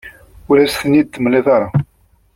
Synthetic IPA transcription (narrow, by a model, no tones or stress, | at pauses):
ulæsθənid̪ːəmleðˤɑɾˤɑ